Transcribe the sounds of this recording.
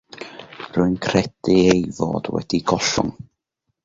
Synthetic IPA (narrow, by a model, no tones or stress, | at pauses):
rʊɨnkʰrɛd̥ɪejvɔ̰ːd̥wɛ̰d̥iɡɔɬʊ̰ŋ